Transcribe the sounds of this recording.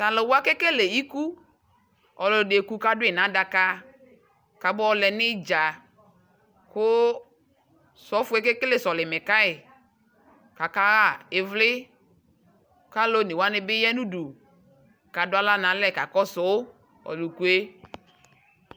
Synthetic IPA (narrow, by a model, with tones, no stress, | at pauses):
sa˨lɪ˨wa˦ke˦ke˦le˨i˦ku˦ | ɔ˨lɔ˨de˨ku˦ka˦dʊ˦ɪ˨nã˨˦da˨ka˦ | ka˨bʊ˦ɔ˦lɛ˨nɪ˦d͡ʒa˨ | kʊ˦ | sɔ˨˦fʊ˨˦ɛ˦ke˦ke˦le˨sɔ˨lɪ˨mɪ˨ka˦ɪ˨ | ka˨ka˦ɣa˦˨ɪ˨vlɪ˦ | ka˦lo˦nɪ˨wa˦nɪ˨bɪ˦jɛ˦nu˦du˨ | ka˨dʊ˦a˦la˦nã˨˦lɛ˦˨ka˨kɔ˦sʊ˨˦ | ɔ̰˨lu˨ku˨e˦